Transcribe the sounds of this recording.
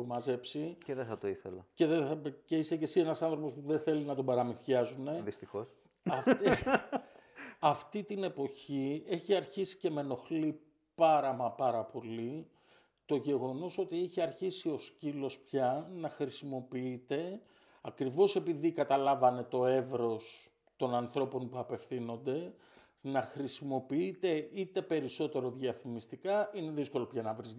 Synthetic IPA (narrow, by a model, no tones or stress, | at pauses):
mɐze̞psiceðeθɐt̪oiθḛlɐ̰ce̞ðeɐce̞isece̞sie̞nɐsɐnθɾo̞po̞spuðenθe̞linɐt̪o̞bɐɾɐmiθçɐzune̞ðist̪ixos | ɐf | ɐft̪it̪ine̞po̞ie̞çiɐɾçisi̥ce̞me̞no̞xli | pɐɾɐmɐpɐɾɐpo̞li | t̪o̞ʝe̞ɣo̞no̞so̞t̪ieçiɐɾçisio̞scilo̞spçɐnɐxɾisimo̞piit̪e̞ | ɐkɾivo̞se̞piðikɐt̪ɐlɐvɐne̞t̪o̞e̞vɾo̞s | t̪o̞nɐnθɾo̞po̞npuɐpe̞fθino̞nd̪e̞ | nɐxɾisimo̞piit̪e̞ʔit̪e̞pe̞ɾiso̞t̪e̞ɾo̞ðʝɐfimist̪ikɐine̞ðisko̞lo̞pçɐnɐvɾiz